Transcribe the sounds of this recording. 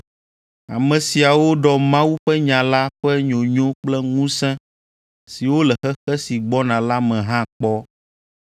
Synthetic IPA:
a̰˨mɛ̃˨si˨a˨wo˦ɖɔ˨mã˦wu˦ɸɛ˦ɲã˨la˦ɸɛ˦ɲõ˨ɲõ˦k͡plɛ˦ŋũ˦sɛ̃˦ | si˨wo˦lɛ˨xɛ˦xɛ˦si˨ɡ͡bɔ˦nã˨la˦mɛ̃˨ɦã˦k͡pɔ˦

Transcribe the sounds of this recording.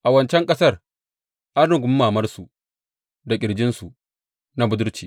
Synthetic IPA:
ʔa˨wɐ˦nt͡ʃɛ˦ŋkʼɐ˦sɐ˦r | ʔa˦nnʊ˦˨ɡʷʊ˦mː˦aː˨mɐ˦rsu˨ | da˨kʲʼɪ˨ɽd͡ʒɪ˦nsu˨ | na˦bʊ˦dʊ˦rt͡ʃiː˨

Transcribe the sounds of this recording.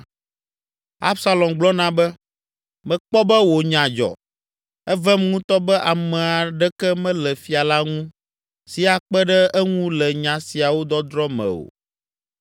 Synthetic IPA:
a̰˦bsa˦lɔ˨mɡ͡blɔ˦nã˦bɛ˦ | mɛ̃˨k͡pɔ˦bɛ˦wo˨ɲã˨d͡ʒɔ̰˨ | ɛ˦vɛ˦mŋũ˦t̪ɔ˦bɛ˦ʔa˨mɛ̃˨a˨ɖɛ˦kɛ˦mɛ̃˦lɛ˨fi˦a˨la˦ŋũ˦ | si˨a˨k͡pɛ˦ɖɛ˦ɛ˦ŋũ˦lɛ˨ɲã˨si˨a˨wo˦d̪ɔ˦d̪ɾɔ˦mɛ̰̃˨o̰˨

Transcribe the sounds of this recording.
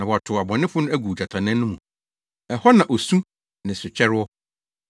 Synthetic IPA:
nã˨wɔ˨a˨tʰʊ˨a˨bɔ̃˨nɪ̃˦fʊ˦nʊ̃˦æ˦ɡu˨d͡ʑa˨tʰã˨nɛ̃˦nʊ̃˦mũ˨ | ɛ˨hɔ˦nã˨ʔo˨sũ˦ | nɪ̃˨sʊ˨t͡ɕʰɛ˦ɾɪ˦ɔ˦

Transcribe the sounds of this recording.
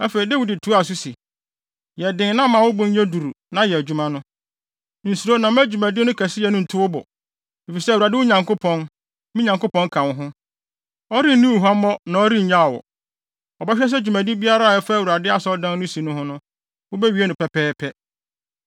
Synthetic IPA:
æ˦fe˨ɾi˨da˦wi˨dɪ˨tʰu˦a˨s̬u˦si˨ | jɛ˨dɪ̃˨n˦nã˦mã˨wʊ˦bʊ˦ɲ˦ɲɛ̃˦du˨ɾu˨ | nã˨jɛ˨æ˨d͡ʑu˦mã˦nʊ̃˦ | n̩˨su˨ɾo˦nã˨m˦æ˦d͡ʑu˨mæ̃˨dɪ˦nʊ̃˦kʰæ˨sɪ˦jɛ˨nʊ̃˦n̩˨tʰʊ˦wʊ˦bɔ̰˨ | e˨fi˨sɛ˦˨wu˨a˨dɪ˦wʊ˦ɲã˨ŋkʊ˦pʰɔ̃˨n˦ | mĩ˦ɲã˨ŋkʊ˦pɔ̃˦ŋkʰã˨n˦ɦʊ̃˦ | ɔ˦ɾi˦n˦nĩ˦˨ɦa˦m˦mɔ˦nã˨ɔ˦ɾi˦ɲ̩˨˦ɲã˦˨wɔ̰˨ | ɔ˨bɛ˦ɕᶣɛ˦s̬ɛ˦d͡ʑᶣu˨mæ̃˨di˦bi˦a˦ɾa˦˨jɛ˦fa˦˨u˨ɾa˨dɪ˦a˨sɔ˦dã˦n˦ʊ̃˦si˨nʊ̃˦hʊ̃˦nʊ̃˦ | wʊ˦bɛ˦ɥi˨˦e˦nʊ̃˨pɛ˨pʰɛː˦pʰɛ˦

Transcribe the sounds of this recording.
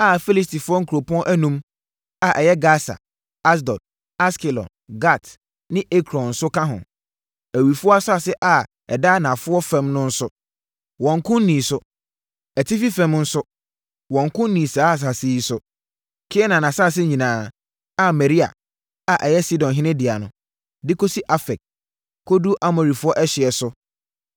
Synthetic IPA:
a˦fi˦li˦sti˨fʊ˦ɔ˦ŋ̩˦kʰo˨pɔ̃˦ʔæ˦nũ˦m | a˨ʔɛ˨jɛ˦ɡa˦sa̰˨ | a˦s̬dɔ˨d̚ | a˦ski˨lɔ̰˨nɡa˦˨t | nɪ̃˦ʔe˦kʰɾɔ̃˨nn̩˨sʊ˦kʰã˦ɦʊ̰̃˨ | æ˨wi˨fʊ˦ɔ˦a˦sʊ˦a˨sɪ˦ʔa˨ | ɛ̰˨daː˦nã˨fʊ˦ɔ˦fɛ̃˦mnʊ̃˦n̩˦sʊ˦ | wɔ̃˨ŋ˦kʰʊ̃˦n˦nĩ˨sʊ˦ | ɛ˨tʰɪ˦fi˦fɛ̃˦mn̩˦sʊ˦ | wɔ̃˨ŋkʊ̃˦nnĩ˨saː˦a˨s̬a˨sɪ˦ji˦sʊ˦ | kʰɪ˦ɛ˦nã˨nã˨sa˦˨s̬ɪ˦ɲĩ˨nãː˨ | a˨mɛ˨ɾi˦a̰˨ | a˨ʔɛ˨jɛ˦si˦dɔ̃˨nɦɪ˦nɪ̃˦dɪ˨a˨nʊ̃˨ | dɪ˦kʰo˦si˦ʔa˦fɛ˨k̚ | kʰo˦du˦ʔa˦mɔ˨ɾi˨fʊ˦ɔ˦ʔɛ˦ɕɪ˨ɛ˨sʊ˦

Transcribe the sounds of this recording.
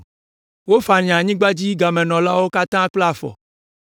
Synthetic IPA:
wo˦fa˨ɲĩ˨ã˨ɲĩ˦ɡ͡ba˦d͡ʑi˦ɡa˨mɛ̃˨nɔ̃˨la˦wo˦ka˦t̪ã˦k͡ple˦a˨fɔ̰˨

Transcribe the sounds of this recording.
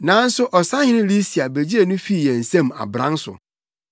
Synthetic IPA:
nãː˨˦n̩˦sʊ˦ʔɔ˨sa˦hɪ̃˦nʊ̃˦li˦si˨a˨be˨d͡ʑi˦e˨nʊ̃˦fi˦˨jɛ̃˨n̩˨sɛ̃˦ma̰˨bɾã̰˦sʊ̰˨

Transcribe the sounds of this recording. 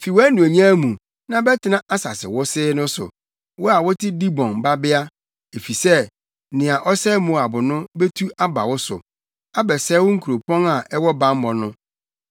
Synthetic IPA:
fi˨wɔ˦æ˦nũ˨e˨ɲ˦ã˦mũ˨ | nã˦bɛ˦tʰɪ˦nã˦ʔa˦sa˨sɪ̰˨wʊ˦sɪ˦nʊ̃˦sʊ̰˨ | wɔ˦a˨wɔ˦tʰɪ˦di˦bɔ̃˨nba˦bɪ˦a˦ | e˨fi˨sɛ˦ | nɪ̃˨a˨ʔɔ˦sɛ˦mũ˨a˨bʊ˨nʊ̃˦be˦tʰu˦a˦ba̰˨wʊ˦sʊ̰˨ | a˦bɛ˨sɛ˦wʊ˦ŋ̩˦kʰu˨ɾo˨pʰɔ̃˦ŋa˨ʔɛ˦wɔ˦bã˦m̩˦bɔ˨nʊ̃˦

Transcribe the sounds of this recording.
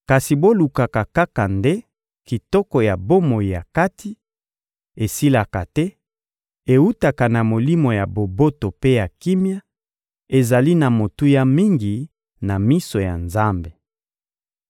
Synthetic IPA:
ka˨si˨bo˦lu˨ka˨ka˨ka˦ka˨nde˦ | ki˨tɔ˦kɔ˨ja˨bo˦mo˨i˨ja˨ka˦tʰi˦ | e˨si˦la˨ka˨tɛ˦ | e˨u˦ta˨ka˨na˨mo˨li˦mo˨ja˨bo˨bo˦to˨pe˦ja˨ki˦mja˦ | e˨za˨li˦na˨mo˨tu˦ja˦mi˦ŋɡi˨ | na˨mi˦so˨ja̰˨nza˦mbe˨

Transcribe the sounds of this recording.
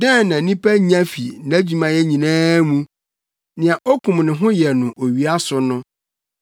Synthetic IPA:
dɛ̃˦˨nã˨nĩ˦pʰæ˦ɲ˦ã˦fḭ˨n˨æ˦d͡ʑu˨mã˨jɛ˦ɲĩ˨nãː˦mũ˦ | nɪ̃˨a˨ʔɔ˦kʰũ˨mnɪ̃˨ɦʊ̃˦jɛ˨nʊ̃˨ʔo˨ɥi˨a˦sʊ˨nʊ̃˦

